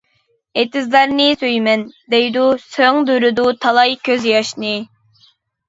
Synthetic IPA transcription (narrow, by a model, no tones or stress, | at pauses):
et̪ɪzlɛɾnɪsøjmɛnd̪ɛjd̪usøŋd̪øɾyd̪ut̪ʰɑlˠɑjkʲʰøzjɑʃnɨ